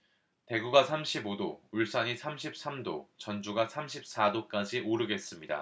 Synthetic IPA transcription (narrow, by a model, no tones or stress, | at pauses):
te̞ɡuɡasʰamɕʰibodo̰uɭs͈aɲisʰamɕʰip̚s͈amdo̰t͡ɕʌnd͡ʑuɡasʰamɕʰip̚s͈adok͈ad͡ʑʰiʔoɾɯɡe̞s͈ɯmɲida̰